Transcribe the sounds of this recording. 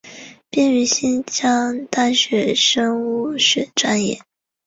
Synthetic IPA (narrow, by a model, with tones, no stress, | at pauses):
pjɛ˥˩ny˧˥ɕi˥nt͡ɕjɑ˥ŋt̪a˥nɕɥɛ˧˥˩ʂɤ˥ŋu˥˩ʂɛ˨˩˦ʈ͡ʂa˥njɛ˥˩